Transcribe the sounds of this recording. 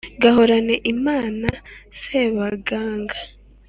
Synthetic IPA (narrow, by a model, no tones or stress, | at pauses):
ɡaɦo̞ɾane̞ʔimaːnaseβaɡaːŋɡa